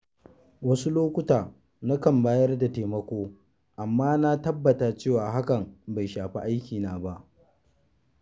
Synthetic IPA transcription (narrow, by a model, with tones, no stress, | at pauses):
wɐ˦su˦loː˦kʷʊ˦taː˨ | na˦kɐ˨mbaː˦jɐ˦rda˨teː˨mɐ˦kʷoː˦ | ʔa˨mːaː˦na˦tɐ˦bːɐ˨taː˨t͡ʃeː˦˨waː˨ɦa˦kɐ˨mba˨jʃaː˨ɸi˦ʔa˦jkʲiː˨naː˨ba˦ʔ